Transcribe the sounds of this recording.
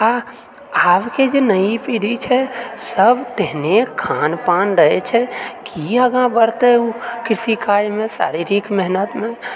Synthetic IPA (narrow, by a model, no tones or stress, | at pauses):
a | aʋked͡ʒenəipiɽit͡ʃʰɛsəbʱt̪eɦnekʰanpanɾəɦɛt͡ʃʰɛkʰiəɡãbəɾt̪eukɾisikaɾmẽsa̰ɾiɾikʰmɛɦnət̪me